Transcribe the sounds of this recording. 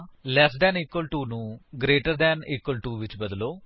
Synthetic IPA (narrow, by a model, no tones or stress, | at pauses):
lɛːsɖɛ̃ːniːkwəlʈuːnũːɡɾeːʈəɾd̪ɛːniːkwəlʈuːʋɪt͡ʃbəd̪loː